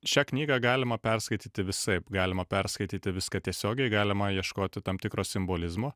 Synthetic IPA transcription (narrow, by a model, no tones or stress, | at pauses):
ʃʲæknʲiːɡɐɡɑːlʲɪmɐpʲɛrskɐɪt̪ʲiːt̪ʲɪʋʲɪsɐɪpɡɑːlʲɪmɐpʲɛrskɐɪt̪ʲiːt̪ʲɪʋʲɪskɑt̪ʲiɛsʲoːɡʲɛɪɡɑːlʲɪmɐjiɛʃkoːt̪ʲɪt̪ɐmt̪ʲɪkɾoːsʲɪmboːlʲɪzmoː